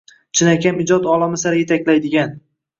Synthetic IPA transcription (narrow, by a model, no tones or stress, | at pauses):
t͡ʃʰɪnakʲʰamɪd͡ʒɒt̪ɒlˠɒmɪsaɾɪjet̪ʰakʲlajd̪ɪɡʲan